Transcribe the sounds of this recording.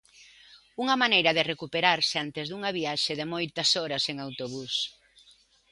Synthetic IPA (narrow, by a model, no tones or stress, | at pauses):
uŋɐmanejɾɐðɪrekupeɾaɾsɪant̪ezðuŋɐβiaʃeðemojt̪ɐsɔɾɐseŋawt̪oβus